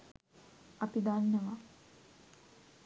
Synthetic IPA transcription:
apid̪anːəʋa

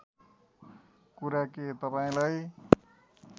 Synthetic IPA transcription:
kuɾaket̪ʌpaĩlaj

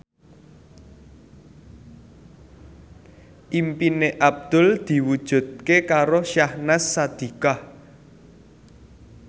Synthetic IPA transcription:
ʔimpineʔab̚d̪̥ʊ̤ld̪̥i̤wud̥ʒ̥ṳd̪̚kekaɾoʃahnasːad̪̥i̤kah

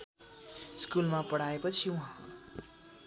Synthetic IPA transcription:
skulmapʌɽaepʌt͡sʰiũɦã

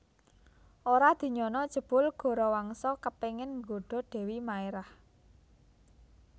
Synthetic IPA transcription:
ʔoɾad̪̥i̤ɲɔnɔd̥ʒ̥ə̤b̥ʊlɡ̥ɔ̤ɾɔwaŋsɔkəpeŋɪnŋɡoɖ̥ɔ̤ɖ̥ɛ̤wimaeɾah

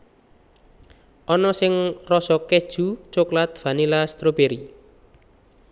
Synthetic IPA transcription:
ʔɔnɔsɪŋrɔsɔked̥ʒ̥ṳt͡ʃoklat̪̚v̥anilast̪ɾobeɾi

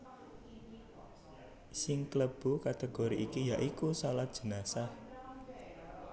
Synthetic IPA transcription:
sɪŋkləb̥ṳkat̪eɡ̥oɾiʔikijaʔikusalat̪̚d̥ʒ̥ə̤nasah

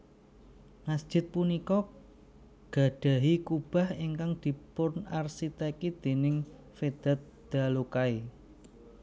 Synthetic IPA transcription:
ŋasd̥ʒ̥ɪ̤t̪̚punikɔ | ɡ̥a̤d̪̥a̤ɦikub̥a̤hiŋkaŋd̪̥i̤pʊnarsit̪ɛkid̪̥e̤nɪŋ | fed̪̥a̤t̪̚ | d̪̥a̤lokai

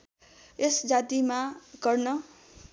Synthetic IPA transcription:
esd͡zat̪imaɡʌrnʌ

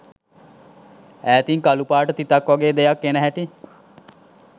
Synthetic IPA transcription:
æːt̪iŋkalupaːʈət̪it̪akʋaɡeːd̪ejakːenəɦæʈi

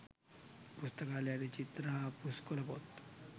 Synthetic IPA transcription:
pust̪əkaljad̪et͡ɕit̪ɾapuskoləpo̰t̪

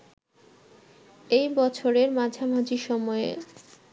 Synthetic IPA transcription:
ejbɔt͡ɕʰoɾeɾmad͡ʑʱamad͡ʑiʃɔmɔḛ

